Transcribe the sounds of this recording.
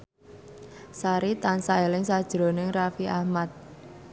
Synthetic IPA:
saɾit̪ansaelɪŋsad̥ʒ̥ɾo̤nɪŋrafiʔahmat̪̚

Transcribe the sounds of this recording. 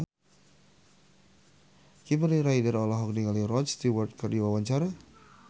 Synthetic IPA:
kiməliɾaidaɾɔlɔɦɔk̚diŋalirɔst̪iwərt̪̚kərdiwawaɲt͡ʃaɾa

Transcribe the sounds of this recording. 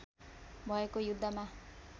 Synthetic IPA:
bʱʌekojud̪ʱːama

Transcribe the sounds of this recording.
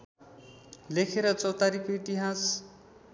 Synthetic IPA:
lekʰeɾʌt͡sʌwt̪aɾikoit̪iɦas

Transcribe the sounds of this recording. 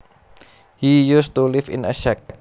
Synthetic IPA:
hijust̪ulifɪ̰nəʃɛk̚

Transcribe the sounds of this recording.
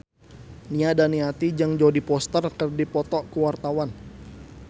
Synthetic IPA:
niadaniat̪id͡ʒaŋd͡ʒodipɔst̪ərkərdipɔt̪ɔʔkəwart̪awan

